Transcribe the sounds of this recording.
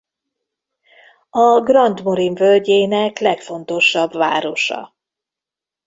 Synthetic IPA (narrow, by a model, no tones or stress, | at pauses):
ɒɡrɒnd̪mo̞ɾiɱvølɟeːnɛklɛkfo̞n̪t̪o̞ʃːɒbva̰ːɾo̞ʃɒ̰